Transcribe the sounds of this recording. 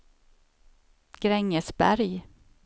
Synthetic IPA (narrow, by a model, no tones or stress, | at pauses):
ɡ̥ɾɛŋːəsbæ̰ɾj